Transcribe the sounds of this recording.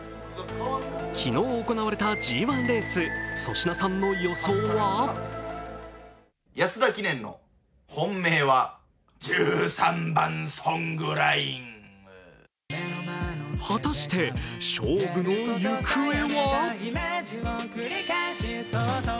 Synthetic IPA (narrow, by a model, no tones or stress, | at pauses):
kʲʰino̞ːko̞naβaɾe̞t̪ad͡ʑiːβãnɾẽ̞sɨso̞̰ɕinasãnːo̞jo̞so̞ːβa | jasɨd̪akʲinẽ̞nːo̞̰ | hõ̞mːeːβa | d͡ʑɨːsãmbãnsõŋɡɯɾaiŋ | hat̪aɕi̥t̪e̞ɕoːɡɯ̟no̞jɯkʰɯ̟eβa